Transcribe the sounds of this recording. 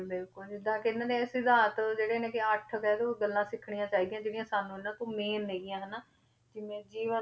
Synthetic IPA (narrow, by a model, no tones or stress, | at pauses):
bɪlkʊld͡ʒɪd̪ːãːkɪɪnãːd̪eːɛsɪd̪aːt̪d͡ʒeːɽeːnẽːkɪəʈʰkɛːd̪oːɡəlːãːsɪkʰɳijãːt͡ʃaːiːd̪ij̃aːd͡ʒeːɽijãːsaːnũːɪnːãːt̪õːmeːnɦeːɪjãːɦɛːnaː | d͡ʒɪmẽːd͡ʒiːʋə